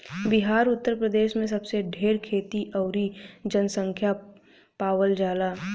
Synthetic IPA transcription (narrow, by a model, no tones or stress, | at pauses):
bɪɦaːɾʊt̪ːəɾpɾəd̪eːʃmẽs̬ɐbseɖʱeːɾkʰeːt̪iʔɐːɾid͡ʒənsə̃ŋkʰja | paːwəld͡ʒaːlaː